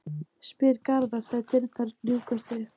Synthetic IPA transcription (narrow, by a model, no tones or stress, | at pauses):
spɪɾkaɾðaɾ̥θat̪ɪɾt̪θʰaɾljuːkast̪ɾɪ